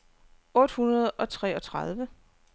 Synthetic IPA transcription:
ɔ̽d̥hunɐð̞̩ˠʔɒ̽t͡sʰʁɛ̰ːɒ̽t͡sʰʁɑð̞ˠʋə

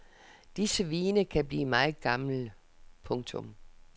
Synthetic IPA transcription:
d̥isəʋiːnəkʰæb̥lḭːmɑ̈ːð̩ˠɡ̥ɑ̈ml̩ | pʰɔ̽ŋt͡sʰɔ̽m

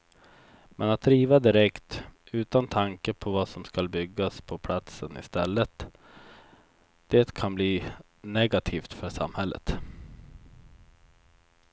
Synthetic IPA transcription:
mʔɛnat̪̚d̪ɾiːvad̪ɪɾɛkt̪ʉ̟ːt̪ant̪ʰaŋkəpʰɔvasɔmskalbʏɡːaspʰɔpʰlat̪sənɪ̰st̪ɛlːət̪ | d̪̥eːt̪kʰanbliː | nɛɡat̪ʰiːft̪fœʂa̰mhɛlːʔə̰t̪

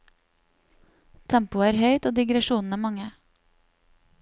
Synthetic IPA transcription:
t̪ʰɛmpʊəæːɾhœʏt̪oːd̪ɪɡɾɛʃuːnn̩əːmɑŋə

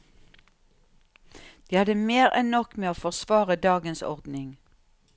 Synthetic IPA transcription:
d̪̥iːhɑd̪əmeːʁɛ̰nnɔkmeːoːfɔʁsʋɑːʁəd̪ɑːɡənsɔ̰ʁd̪nɪŋ

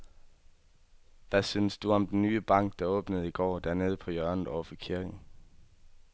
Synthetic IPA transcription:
ʋæsynəsd̥uɒ̽md̥enːyːəb̥ɑ̈ŋ̰ɡ̥̚d̥ɑ̈ɔ̽ːb̥nəð̞̩ˠiɡ̥ɒ̰ːd̥æɐne̝ːð̞̩ˠəpʰɒ̽jœɐnð̩ˠɒʊɐfɒkʰiɐɡ̥n̩

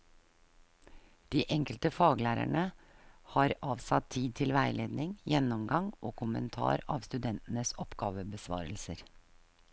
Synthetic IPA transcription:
d̪̥iːʔɛŋkəlt̪əfɑːɡəlæːɾæ̰ɳəhɑːɾɑːʋsɑt̪ʰiːd̪̚t̪ʰɪlʋæɪleːd̪nɪŋjɛnːɔmɡɑŋʔoːkʰʊmə̰nt̪ʰɑ̰ːɾɑːʋst̪ʉd̪ɛnt̪n̩əsɔpɡ̥ɑːʋəbəsʋɑ̰ːɾəlsəɾ

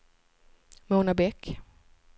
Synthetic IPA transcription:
muːnabɛkː

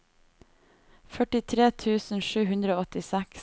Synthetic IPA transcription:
fœʈɪt̪ʰɾeːt̪ʰʉːsn̩ʃʉːhʉnd̪ɾəoːɔt̪ɪsɛks

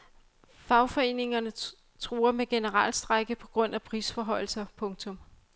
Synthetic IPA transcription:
fɑ̈ʊfɒ̽e̝̰ːne̝ŋɐnə | t͡sʰʁuːɐmeɡ̥e̝nəʁɑ̰lsd̥ʁaɡ̥əpʰɒ̽ɡ̥ʁɔ̽n̰æpʰʁiːsfɒɦɒ̽ɪl̩sɐpʰɔ̽ŋt͡sʰɔ̽m

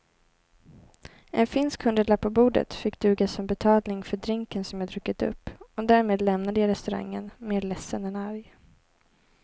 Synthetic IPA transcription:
ʔɛnfɪnskhɵnd̪əɖɭapːɔbuːɖə̰t̪fɪkːd̪̥ʉ̟ːɡasɔmbɛt̪ʰɑːlnɪŋfœɖɾɪŋkənsɔmjɑːd̪ɾɵkːət̪ɵ̰pːɔd̪æːɾmeːd̪lɛmnad̪əjɑːɾɛst̪ɵɾa̰ŋːənmeːɾɭɛsːənɛnaɾj

